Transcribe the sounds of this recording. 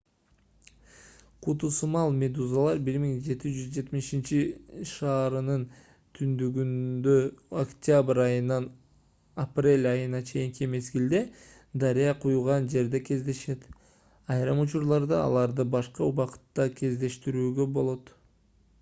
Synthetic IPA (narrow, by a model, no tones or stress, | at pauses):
qʰut̪usumɑlˠmʲe̞d̪uzalˠɑɾbiɾmiŋd͡ʒe̞t̪id͡ʒyzd͡ʒe̞t̪miʃint͡ʃiʃɑːɾɯnɯn | t̪ʰynd̪yɡynd̪øokt̪ʲabɾɑjɯnɑn | aprʲe̞lʲɑjɯnɑt͡ʃʰe̞jiŋkʲʰime̞sɡild̪e̞ | d̪ɑɾijɑqʰujulˠʁɑnd͡ʒe̞ɾd̪e̞kʲʰe̞zd̪e̞ʃe̞t̪ | ɑjɾɑmut͡ʃuɾlˠɑɾd̪ɑɑ̰lˠɑɾd̪ɯbɑʃqɑuβɑqɯ̥t̪ːɑkʲʰe̞zd̪e̞ʃt̪iɾyːɡøbo̞lˠo̞t̪